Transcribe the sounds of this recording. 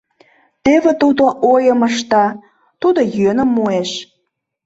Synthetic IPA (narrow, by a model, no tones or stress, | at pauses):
t̪eβet̪ud̪oʔojəməʃt̪ɑ | t̪ud̪ojønə̆mːueʃ